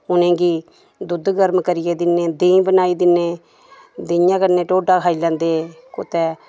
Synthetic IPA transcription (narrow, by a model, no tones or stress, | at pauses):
ʊnẽːɡiː | d̪ʊd̪ɡəɾmkəɾɪjeːd̪ɪnẽːd̪ẽːbənaːiːd̪ɪneː | d̪ɪjãːkəɾnẽːʈoːɖaːkʰaːiːlɛ̃ːnd̪eː | kʊt̪ɛː